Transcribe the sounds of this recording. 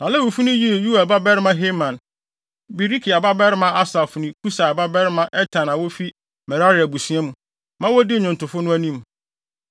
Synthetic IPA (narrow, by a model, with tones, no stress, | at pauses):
nã˨lɛ˦wu˨fu˦nʊ̃˦ji˦˨ju˦a˨ba˦bɛ˦ɾɪ˦mã˦ɦe˦mã˨n | bi˨ɾi˦kʰi˨a˨ba˦bɛ˦ɾɪ˦mã˦a˦sa˨fʊ˨nĩ˦kʰu˦sa˨a˨ba˦bɛ˦ɾɪ˦mã˦ʔɛ˦tʰã˨nã˨wɔ˦fi˦ | mɛ˨ɾa˦ɾɪ˨æ˨bu˨sɥ̃ã˦mũ˨ | mã˦wɔ˦dɪ˦˨ɲʊ̃˨ntʊ˨fʊ˦nʊ̃˦æ˦nĩ˦m